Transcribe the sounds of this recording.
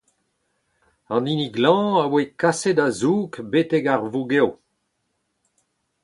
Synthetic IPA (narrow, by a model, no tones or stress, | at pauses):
ɑ̃niniɡlɑ̃awekasedazuːkbetɛɡaʁvuɡew